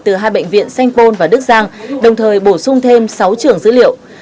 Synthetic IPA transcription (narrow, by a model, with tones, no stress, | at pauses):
t̪ɨ˨˩ɦaː˧jɓə̰˧˨jŋ̟vḭ˧˨ənsa˧jŋ̟po˧nvaː˨˩ɗɨ˦˥k̚zaː˧ŋɗə˨˩wŋ͡mt̪ʰəː˨˩jɓo˧˩sʊ˧ŋ͡mt̪ʰe˧msa˨˦wt͡ɕɨ˨˩əŋzɨ̰˧˥lḭ˧˨əw